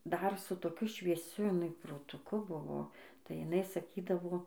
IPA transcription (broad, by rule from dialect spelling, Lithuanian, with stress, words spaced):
ˈdɐr sʊ toːˈkʲʊ ʃʲʋʲiɛˈsʲʊ jɪˈnɐɪ proːtʊˈkʊ ˈbʊʋoː tɐɪ jɪˈnɐɪ sɐˈkʲiːdɐʋoː